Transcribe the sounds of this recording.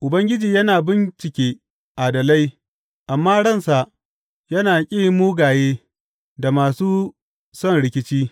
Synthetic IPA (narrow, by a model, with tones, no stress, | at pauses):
ʔʊ˨bɐ˦ŋɡʲɪ˦d͡ʒiː˨jɐ˦naː˨bɪ˦nt͡ʃɪ˨kʲeː˦ | ʔa˨dɐ˨la˦j | ʔa˨mːaː˦ɽɐ˦˨nsa˨ʔ | jɐ˦naː˨kʲʼiː˦˨muː˦ɡaː˨jeː˦ | da˨maː˨suː˦ | sɔ˦˨nɽɪ˦kʲɪ˦t͡ʃiː˦